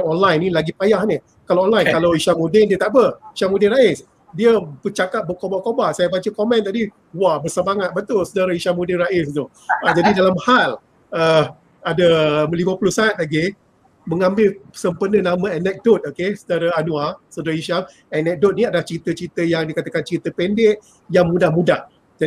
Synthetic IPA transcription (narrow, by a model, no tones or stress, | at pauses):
ɔnlajnĩlaɡipajahni | kalaɔnlajnkalawiʃamudɪndiət̪aʔbəiʃamũdɪnɾaɪs | diəbət͡ʃakap̚bəkobakobahsajabat͡ʃəkomɛ̃nt̪adi | wabərsəmaŋat̪̚bət̪ʊlsədaɾaiʃamudɪnraʔɪst̪u | ad͡ʒadidalamhal | ə | adəliməpulʊsaat̪̚laɡi | məŋambɪlsəmpənənamãɛnɛk̚dot̪̚okesədaɾaanũasədaɾaiʃam | ɛnɛk̚dot̪̚nĩadalaht͡ʃit̪ət͡ʃit̪əjaŋdikat̪əkant͡ʃit̪əpɛndɪʔ̚ | jaŋmũdahmũdah | d͡ʒa